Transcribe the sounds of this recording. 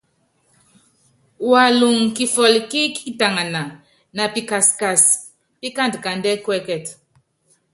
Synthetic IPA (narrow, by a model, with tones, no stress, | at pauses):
wa˨lu˨ŋki˨fɔ˨lki˦ki˦ta˨ŋa˨na˨ | na˨pi˨ka˨ska˨s | pi˦ka˦˨ntka˨ndɛ˦kwɛ˦kɛ˨t